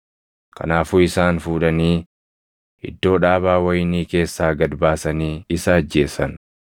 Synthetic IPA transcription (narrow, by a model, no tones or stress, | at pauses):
kɐ̰naːfuːɪsaːnfuːᶑɐniː | ʔɪ̰d̪ːo̞ːᶑaːβaːwɐjniːke̞ːsːaːɡɐd̪baːsɐniːɪsɐːd͡ʒːe̞ːsɐn